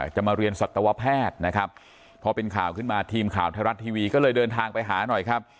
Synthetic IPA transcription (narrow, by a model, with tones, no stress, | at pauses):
t͡ɕa˨˩ʔmaː˧ɾi˧ənsa˨˩t̪ːa˧wa˦˥pʰːɛː˥˩t̪̚na˦˥kʰa˦˥p̚ʰː | ɔ˧pe˧nkʰaː˨˩wkʰɯ˥˩nmaː˧t̪ʰiː˧mkʰa̰ː˨˩wt̪ʰaː˧ɾa˦˥t̪ʰːiː˧wiː˧kɔː˥˩lɤː˧jdɤː˧nt̪ʰaː˧ŋpa˧jɦaː˩˦nɔ˨˩jkʰa˦˥p̚